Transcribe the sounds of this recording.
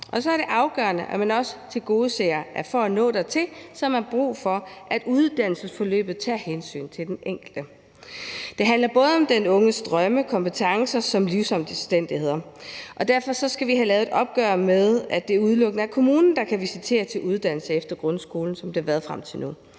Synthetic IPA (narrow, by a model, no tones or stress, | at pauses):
ʔɒ̽sɒ̽æɐɾ̥e̝ʔɑ̈ʊɡ̥ɶ̰ɐnəʔæmænɒ̽sə̥t͡sʰe̝lɡ̥o̝ːð̩ˠseːɐʔæɐfɒænɔ̰̽ːd̥et͡sʰe̝lsɒ̽mæb̥ʁṵːfɒ̽ʔæd̥uð̞ˠd̥æn̰l̩səsfɒ̽lø̰ːb̥ð̞̩ˠt͡sʰæ̰ːhensy̰ːnt͡sʰe̝ld̥eneŋ̰ɡ̥l̩d̥ə | d̥e̝ɦænlɐb̥ɔ̽ːð̞ˠɒ̽md̥enɔ̽ŋəsd̥ʁɶməkʰɒ̽mpʰət͡sʰɑ̈ŋsɐsɒ̽mliʊsɒ̽m̰d̥əsd̥en̰d̥ihe̝ð̰ˠɐʔɒ̽d̥æɐ̰fɒ̽sɒ̽sɡ̥æʋiɦælɛːʊðˠe̝dɒ̽b̥ɡ̥œɐmeð̞ˠæd̥e̝æɐuð̞ˠlɔ̽ɡ̥nəæɐkʰo̝muːnn̩d̥ɑ̈kʰæʋisit͡sʰe̝̰ːɐt͡sʰe̝lʔuð̞ˠd̥æn̰l̩səefd̥ɐɡ̥ʁɔ̽nsɡ̥o̝ːln̩sɒ̽md̥e̝hɑ̈ʋæɐðˠfʁam̰t͡sʰe̝lnu